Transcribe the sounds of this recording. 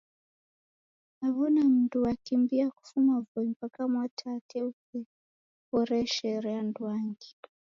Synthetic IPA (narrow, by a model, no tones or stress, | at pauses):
aβɔnam̩ntuwakimbiaku̥fumavɔimpakamwatʰatʰɛukɛ | pɔɾɛʃɛɾɛandwaŋɡi̥